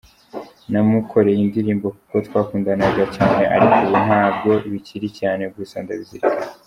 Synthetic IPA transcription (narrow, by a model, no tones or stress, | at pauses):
namukʰo̞ɾe̞jindiɾiːmbo̞kuko̞twaːkuːndanaɡacaːne̞ʔa̰ɾikuβunhaːb̚ɡo̞ʔiβiciɾicaːne̞ɡusandaβiziɾi